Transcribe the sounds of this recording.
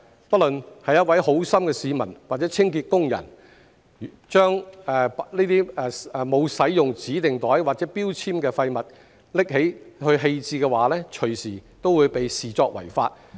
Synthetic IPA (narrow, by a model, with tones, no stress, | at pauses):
pɐ˥t̚lɵ˨nhɐ˨jɐ˥t̚wɐ˨˥jho˨˥wsɐ˥mkɛː˧siː˨˧mɐ̰˨˩nwaː˨t̚t͡sɛː˨˥t͡sʰɪ˥ŋkiː˧t̚kʊ˥ŋjɐ̰˨˩n˨ | t͡ʃœː˥ŋɛ˨˧pniː˥t̪iː˥ɛ˨˧˨mo˨˧wsɐ˨˥jːʊ˨ŋt͡siː˨˥t̪ɪ˨ŋt̪ɔː˨˥jwaː˨˩t̚t͡sɛ˨˥piː˥wt͡sʰiː˥mkɛː˧fɐ˧jmɐ˨˩t̚ | lɪ˥k̚ɦe˨˥jhɵ˧ɥɦe˧jt͡siː˧kɛː˧waː˨˥lɛː˥t͡ʃʰɵ˨˩ɥsiː˨˩t̪o˥wuː˨˧jpe˨jsiː˨t͡sɔː˧k̚wɐ̰˨˩jfa̰ː˧t̚